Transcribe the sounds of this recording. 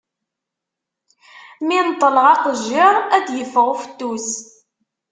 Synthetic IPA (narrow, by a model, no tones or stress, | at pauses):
mint̪ˤːələʁɑqəʒːɪɾˤæd̪jəfʁʊfə̥t̪ːus